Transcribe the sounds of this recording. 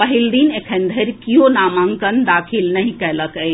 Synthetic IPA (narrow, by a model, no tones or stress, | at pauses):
pəɦild̪inekʰənd̪ʱəɾkijonaːmaŋkənd̪aːkʰilnəɦĩkɛləkəj